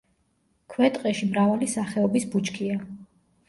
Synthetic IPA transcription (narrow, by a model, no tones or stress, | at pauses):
kʰwɛt̪ʼqʼɛʃimɾavalisaχɛɔbisbut͡ʃkʰia